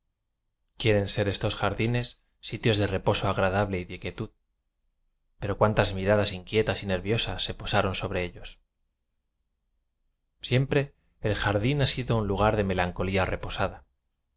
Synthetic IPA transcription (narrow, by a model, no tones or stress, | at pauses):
kje̞ɾe̞nse̞ɾe̞st̪o̞sxaɾðine̞sː | it̪jo̞zðe̞re̞po̞so̞aɣɾaðaβle̞iðekjet̪uð | pe̞ɾo̞kwant̪azmiɾaðasiŋkje̞t̪asine̞ɾβjo̞sasːe̞po̞saɾo̞nso̞βɾe̞eʎo̞s | sje̞mpɾe̞ː | lxaɾðinasiðo̞unluɣ̞aɾðe̞me̞laŋko̞liare̞po̞saða